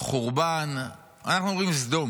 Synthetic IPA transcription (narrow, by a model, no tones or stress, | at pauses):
χuʁban | a̰naχnuoʁimzd̪o̞m